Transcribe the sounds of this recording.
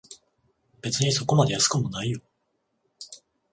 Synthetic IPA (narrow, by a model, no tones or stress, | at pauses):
b̥e̞t͡sɨɲ̟iso̞ko̞mad̪e̞jasɨ̥kɯmo̞naijo